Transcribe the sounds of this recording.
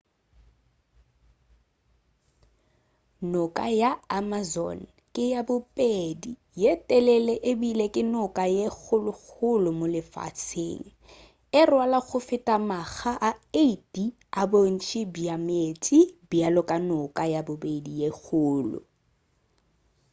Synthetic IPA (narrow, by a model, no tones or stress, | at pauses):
nʊkʼajaamazɔ̰n̩ | kʼɪjabʊpʼedi | jetʼɛlɛlɛʔɪbilekʼɪnʊkʼajek͡xʊlʊɣʊlʊmolɪfa̰t͡sʰɪ̰ːlɪ | ɪrwalaɣʊfɪtʼamaɣaʔaetʼi | abon̩t͡ʃʰʼɪbjametʼibjalʊkʼanʊkʼajabʊbedijeɣʰʊːlʊ̰